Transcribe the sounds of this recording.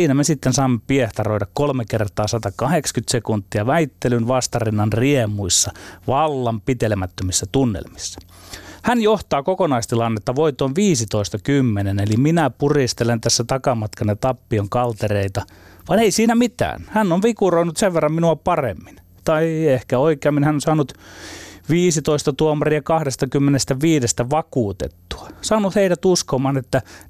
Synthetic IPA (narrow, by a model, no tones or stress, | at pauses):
iːnæmesit̪ːensɑːmːepieht̪ɑroiɾɑkkolmekert̪ɑːsɑt̪ɑkɑhekskyt̪sekunt̪ːiɑʋæit̪ːelynʋɑst̪ɑrinːɑnriemuisːɑʋɑlːɑmpit̪elemæt̪ːømisːæt̪unːḛlmisːæ̥ | hænjoht̪ɑːkokonɑist̪ilɑnːet̪ːɑʋoit̪ˑoːnʋiːsit̪oist̪ɑkymːeneneliminæpurist̪elent̪æsːæt̪ɑkɑmɑt̪kɑnːet̪ɑpːioŋkɑlt̪ereit̪ɑ | ʋɑneisiːnæmit̪æ̰ːnhænːoʋʋikuroinut̪seʋʋerːɑmminuɑpɑrḛmːin | t̪ɑiehkæoikeɑmːinhænːonsɑːnut̪ | ʋiːsit̪oist̪ɑt̪uomːɑriɑkɑhdest̪ɑkymːenest̪æʋiːdest̪æʋɑkuːt̪ḛt̪ːu̥ɑ̥sɑːnut̪heidæt̪uskomɑnet̪ːæ